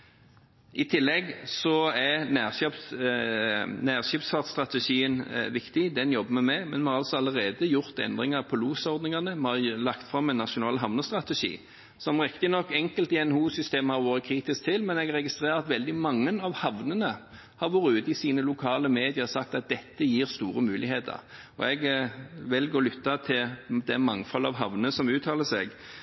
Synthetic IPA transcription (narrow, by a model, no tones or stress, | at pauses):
ʔɪt̪ʰɪlːɛɡsɔæɾnæːʁɑp | næːʁʃɪːpsfɑʁt̪st̪ʁɑt̪əʂiːənʋɪkt̪ɪd̪ɛnjɔbːəmɛmɛɡmɛnmɛhɑɾʁɑlsɔɑlːəʁeːd̪əjʊɾt̪ɛ̰nd̪ɾɪŋɑʁpʰɔluːsɔʁd̪nɪŋɑnəmɛhɑʁlɑkt̪fʁɑmːɛnɑʂʊnɑːlɦɑʋnəst̪ɾʁɑt̪əʂḭː | sɔmʁɪkt̪ɪnɔkːɛŋkəlt̪ɪɛnhuːsʏst̪eːməhɑɾʋoːɾət̪̚kʰɾiːt̪ɪsk̚t̪ʰɪlmɛnɛɡɾɛɡɪst̪ʁeːɾɑt̪ʋɛld̪ɪmɑŋːənɑʋhɑʋnənə | hɑɾʋoːɾəʉːt̪ɪsiːnəlʊkʰɑːləmeːd̪ɪəsɑk̚t̪ɑt̪̚d̪ɛt̪ːəjiːɾst̪uːɾəmʉːlɪheːt̪ʰə̰ʁ | ɔ̰ɛɡʋɛlɡoːlʏt̪ːɑt̪ʰɪld̪ɛmɑŋːfɔlːɑ̰ʋɦɑʋnəsɔmʉːt̪ʰɑːləsɛɡ